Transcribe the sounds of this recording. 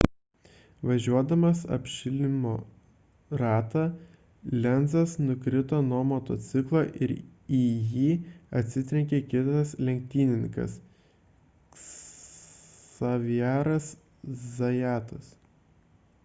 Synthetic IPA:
ʋɐʒʲuɔd̪ɐmɐsɐ̰pʲʃʲɪlʲɪmoː | ɾɑːt̪ɑ | lʲɛnzɐsnʊkɾʲɪt̪oːnoːmoːt̪o̰ːt̪sʲɪklˠoːʔɪɾijiːɐt̪ʲsʲɪt̪ʲɾʲɛŋʲkʲekʲɪt̪ɐslʲɛŋʲk̚t̪ʲiːnʲɪŋʲkɐ̰s | ɐʋʲijæːɾɐs | zɐjæːt̪ɐs

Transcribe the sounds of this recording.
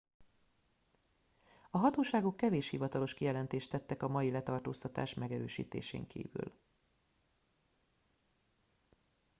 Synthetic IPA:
ɒɦɒt̪oːʃaːɡokːɛveːʃhivɒt̪ɒlo̞ʃkijɛlɛnt̪eːʃt̪ɛt̪ːɛkɒmɒjilɛt̪ɒrt̪oːst̪ɒt̪a̰ːʃmɛɡɛɾøːʃḭːt̪ḛːʃḛːŋkʰḭːvy̰l

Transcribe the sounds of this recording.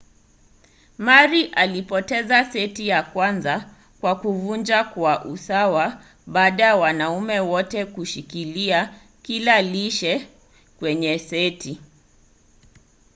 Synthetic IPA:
maɾiʔalipɔtɛzasɛtijakwanza | kwakuvund͡ʒakwaʔusawa | ɓaːɗajawanaumɛwɔtɛkuʃikilia | kilaliʃɛ | kwɛɲɛsɛtʰi

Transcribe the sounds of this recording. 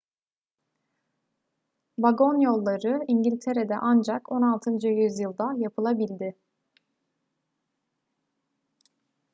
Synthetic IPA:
baɡo̞njo̞lˠːaɾɯiɲɟilʲt̪ʰeɾed̪ɛ̰ʔand͡ʒakʰo̞nalˠt̪ʰɯnd͡ʒɯjyzjɯlˠd̪ajapʰɯlˠabilʲd̪ɪ

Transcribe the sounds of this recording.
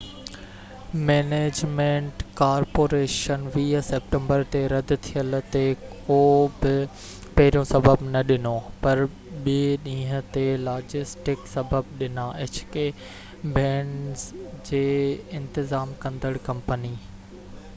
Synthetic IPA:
meːneːd͡ʑmẽːɳʈkaːɾpoːɾeːʃənʋiːɦsep̚ʈẽmbəɾt̪eɾɐd̪ʊ̆t̪ʰijəlt̪ekoːbɪ | pɐɦɪɾijõsɐbəbnɐɗɪnopɐɾ | ɓiːɗĩːɦət̪elaːd͡ʑɪsʈɪksɐbəbɗɪnaʔet͡ɕʰkeː | bɛ̃ːɳɖzd͡ʑeːɪ̃nt̪ɪzaːmkɐ̃nd̪əɽkɐ̃mpəni

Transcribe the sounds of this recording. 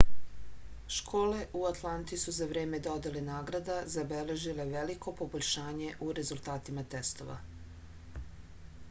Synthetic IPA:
ʃkʰo̞ːle̞ʔuat̪lˠant̪isuzaʋɾe̞ːme̞d̪o̞d̪elenaːɡɾad̪azabele̞ʒile̞ʋeliko̞po̞boʎʲʃaːɲe̞ʔuɾe̞zult̪aːt̪imat̪est̪o̞ʋa̰

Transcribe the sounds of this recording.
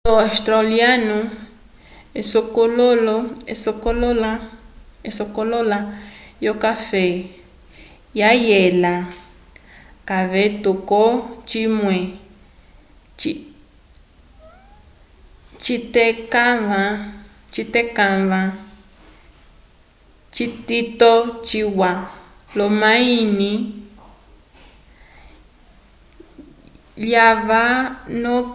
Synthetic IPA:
loast̪ɾaljanũ | esokololoesokololaesokololajokafe | jajela | kaβet̪ukot͡ʃimwe | t͡ʃi | t͡ʃit̪ekaβã | t͡ʃit̪ekãβã | t͡ʃit̪it̪ot͡ʃiwalomãinĩ | ljaβanõ

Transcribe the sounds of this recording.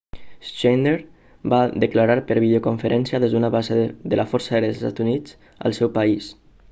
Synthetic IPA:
st͡ʃend̪eɾ | bad̪əklaɾaɾpəɾβiðiokoɱfəɾʔɛnsjaðɛzd̪unaβazeðəlafɔɾsaeɾest̪a̰t̪unit͡s | ə̰lˠsɛwpais

